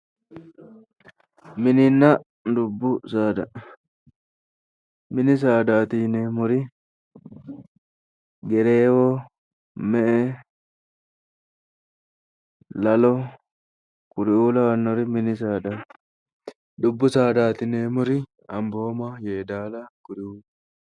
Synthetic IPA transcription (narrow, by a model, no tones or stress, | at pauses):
mɪnɪnːɐ | d̪ʊbːʊsaːd̪ɐ | mɪnɪs̬aːd̪aːt̪ineːmʊɾɪ | ɡɛɾeːwɔ | mɛʔɛ | lɐlɔ | kʊɾɪuːlɐwɐnːɔɾɪmɪnɪsaːd̪aː | d̪ʊbːʊsaːd̪aːt̪ɪnemʊɾɪ | ɐmbo̞ːmajeːd̪aːlɐkʊɾɪuː